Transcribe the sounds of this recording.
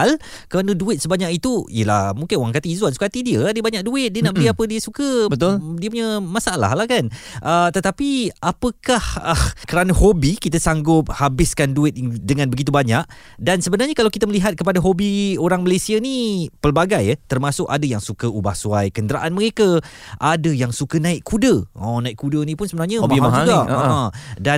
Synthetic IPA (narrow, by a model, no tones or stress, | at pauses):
lkəɾanə̃duɪt̪̚səbaɲak̚it̪uḭjəlahmuŋkɪnoaŋkat̪iːzuansu̥kat̪idiəadəbaɲak̚duɪt̪̚diənaʔbəliapədiəsukəbət̪ʊldiəpuɲə̃mãsaala̰hlahkan | ʔət̪ət̪apiapəkahəkəɾanəhobikit̪əsaŋɡʊp̚habɪskanduɪt̪̚dəŋãnbəɡit̪̬ubaɲaʔ̚ | dansəbənarɲakalawkit̪aməliɦat̪̚kəpadaɦobioɾaŋməlesianipəlbaɡajət̪ərmasʊkadəjaŋsukəubahsuajkəndəɾa̰ʔanməɾeka | ʔadəjaŋsukənãɪʔkʰːudəɔ̃nãɪʔ̚kudənĩpʊnsəbənarɲamiad͡ʒuɡaaãdan